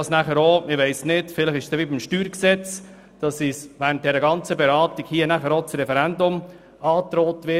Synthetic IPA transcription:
ɑsnæχəɾoːmɪʋæɪsnɪtfɪləχɪʃsd̥ɛʋibimʃtyːɾksɛt͡s | d̥ɑsisʋænd̥ɛɾəɡɑnt͡səbɛɾɑːtiɡhiːənæχəɾot͡sɾɛfɛɾændʊm | ɑːt̪ɾoːtʋɪ

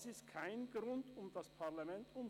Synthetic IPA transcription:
sɪstkʰaɪnɡ̥ʁʊntʊmdaspʰaɐlamɛntʔʊm

